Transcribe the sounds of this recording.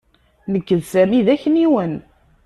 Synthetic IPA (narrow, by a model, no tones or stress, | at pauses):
nəkːəðsæmiðæçəniwən